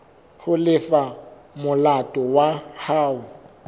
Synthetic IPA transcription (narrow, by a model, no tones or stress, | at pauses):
hʊlɪfa | mʊlatʼɔwahaːʊ